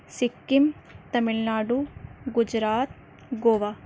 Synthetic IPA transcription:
sikːimt̪ɐmiɭnaːɖuɡud͡ʒɾaːt̪̚ | ɡoːʋaː

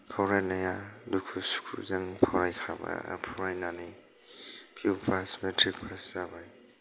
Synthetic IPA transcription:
pʰawɾajnajalukʰusu̥kʰṵzaŋpʰawɾajkʰaba̰pʰɔwɾajnani | pʰiwpʰasmetɾik̚pʰaszabaj

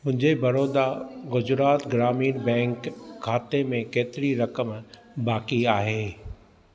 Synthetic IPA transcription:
mʊ̃ɦɪ̃ɲd͡ʑebɐɾoːd̪aɣʊd͡ʑɾaːt̪ɡɾaːmiːɾbɛ̃ːŋkʰːaːt̪emẽkeːt̪ɪɾiɾɐkəm | baːkiaːɦeː

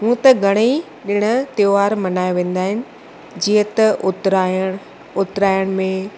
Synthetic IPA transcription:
ɦũːt̪ɐɡʱɐɽ̃e | ɗɪɽ̃ʊ̆t̪eːʋaːɾmɐnaːjoʋẽːn̆d̪aːɦɪnɪ̆ | d͡ʑiːət̪ɐʊt̪ɾa | ʊt̪ɾaːjəɽ̃mẽ

